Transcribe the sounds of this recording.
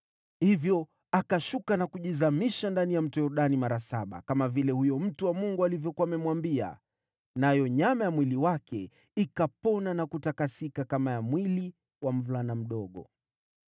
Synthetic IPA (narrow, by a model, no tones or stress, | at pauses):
hivjɔ | akaʃukanakuʄizamiʃandanijam̩tɔjɔɾuɗanimaɾasaɓa̰kamavilɛhujɔm̩tuwamuŋɡualivjɔkuamɛmwambia̰ | najɔɲamajamwiliwakɛ | ikapɔnanakutakasikakamajamwili | wam̩vulanam̩ɗɔɠɔ̰